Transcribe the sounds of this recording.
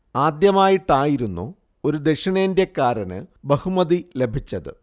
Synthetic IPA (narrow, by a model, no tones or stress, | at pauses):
aːd̪jɐmaːjiʈːaːjiɾunːṵ | oɾud̪eʂɐɳeːndekːaːɾɐnɨ̰bɐhumɐðile̞bʱit͡ɕːɐðɨ̰